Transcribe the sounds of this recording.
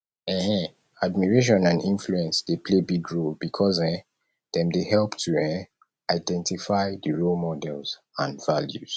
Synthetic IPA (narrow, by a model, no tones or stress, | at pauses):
ɛ̃hɛ̃ | admiɹeʃ̬ɔ̃nãnĩnfluɛ̃nsd̥epʰlebiɡɹolbikʰɔzɛ̃ | ðɛ̃mdehɛlˠptʰuɛ̃ | aɪdɛ̃ntifaɪdəɹolmɔdɛlz̥ | ãnvaljuz̥